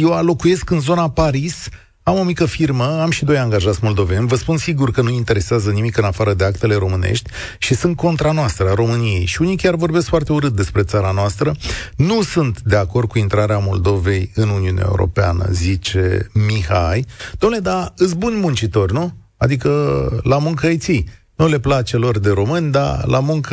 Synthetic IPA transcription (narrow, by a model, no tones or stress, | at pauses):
je̞walo̞kuje̞skɨnzo̞napaɾis | amo̞mikəfirməamʃid̪o̞jaŋɡaʒat̪sʲmo̞ld̪o̞ve̞nʲvəspunsiɡurkənuint̪e̞ɾe̞seazənimikɨnafaɾəd̪e̞akt̪e̞le̞ɾo̞mɨnḛʃt̪ʲʃisɨnt̪̚ko̞nt̪ɾanoast̪ɾəɾo̞mɨnije̞jʃiunikʲarvo̞rbe̞skfoart̪e̞uɾɨt̪̚d̪e̞spɾe̞t̪saɾanoast̪ɾənusunt̪d̪e̞ako̞rd̪̚kuint̪ɾaɾeamo̞ld̪o̞ve̞jɨnuniunḛʔa̰ḛṵɾo̞̰peanə̰zit͡ʃe̞̰mihajd̪̥omnled̪aɨt̪s̬ʲbunʲmunt͡ʃit̪o̞rʲnu | a̰d̪ikəlamuŋkəəjt̪si | nule̞plat͡ʃe̞lo̞rd̪e̞ɾo̞mɨnʲd̪a̰lʔa̰muŋk